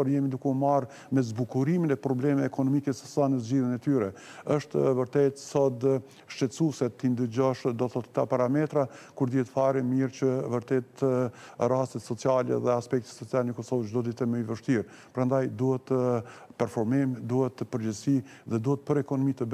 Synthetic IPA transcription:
ɔɾjɛmid̪ukɛumaɾ | mɛzbukuɾiminɛpɾɔblɛmɛːkɔnɔmikɛsə̥sanəzd͡ʑiðjənɛt̪yɾɛəʃt̪vəɾt̪ɛt̪sɔd̪ | ʃt͡ʃɛt͡susɛt̪ːind̪əd͡ʑɔʃd̪ɔθɔt̪ə̥t̪apaɾamɛt̪ɾakuɾd̪iɛt̪faɾimiɾt͡ɕəvəɾt̪ɛt̪ | rast̪ɛt̪sɔt͡sialɛ̰ðɛaspɛk̚t̪ɛ̥sɔt͡salnəkɔsɔvt͡ʃd̪ɔd̪it̪ɛməjvəʃt̪iɾ | pɾand̪ajd̪uhɛt̪ːəpɛɾfɔɾmimd̪uhɛt̪ːəpəɾd͡ʑəsiðɛd̪uhɛt̪̚pəɾɛkɔnɔmit̪əb

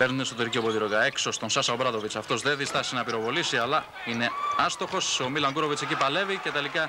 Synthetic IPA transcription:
pe̞ɾnunest̪oðeɾicio̞pot̪iɾoɣɐekso̞st̪o̞nsɐsɐobɾɐðo̞vit͡sɐft̪o̞zðenðist̪ɐsinɐpiɾo̞vo̞lisiɐlɐ | ine̞ɐst̪o̞xo̞somilɐŋɡuɾo̞vit͡secipɐle̞vice̞t̪e̞likɐ

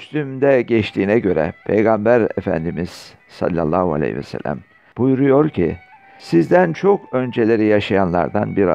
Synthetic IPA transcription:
st̪ymd̪ɛɟɛt͡ʃt̪ʰiːnɛɟø̞ɾɛ̰pʰḛjɡambæɾḛfæ̰nd̪imiz̥ | sa̰lʲːalˠːaːhua̰lʲḛjvɛ̰sæ̰lʲːæ̰m | b̥ujɾujo̞ɾcʰḭ | sizd̪ænt͡ʃʰo̞kø̞nd͡ʒelʲe̞ɾijaʃajanlˠa̰ɾd̪anbiɾa

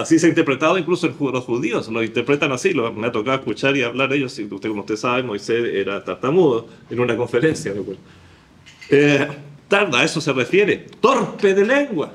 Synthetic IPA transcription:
asiseaint̪eɾpɾet̪að̞oiŋklusoenxulosxuðioslosint̪eɾpɾet̪anasilomeat̪o̞kaðoeskut͡ʃaɾiaβlaɾeʝosiut̪ekomoust̪esaβemo̞jseseɾat̪aɾt̪amuðoenunako̞ɱfeɾensjamekwel | et̪aɾðaesose̞refje̞ɾet̪o̞ɾpeðele̞ŋɡwa

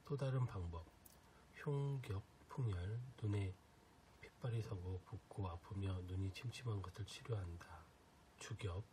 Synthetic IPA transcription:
t͈odaɾɯnpaŋbʌp̚ | çjoŋɡjʌp̚ | pʰuŋjʌɭnune̞ | pʰip͈aɾisʰʌɡopokk͈oapʰɯmjʌnuɲit͡ɕʰimt͡ɕʰimɦanɡʌsʰɯɭt͡ɕʰiɾjoɦanda | t͡ɕuɡjʌp̚

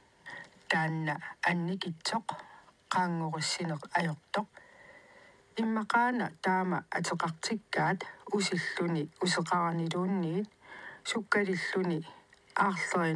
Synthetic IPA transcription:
t̪aːnːaanːikɪt͡ʃːo̞qqɑːŋːoʁosːinoqajo̞q̚t̪o̞q̚ | imːɑqɑːna̰ʔt̪aːma̰a̰t͡sɑqɑq̚t͡ʃikːaːt̪usiɬːuniusɑqɑʁniɾuːnːiːnsukːaɾiɬːuniɑʁɬoʁe

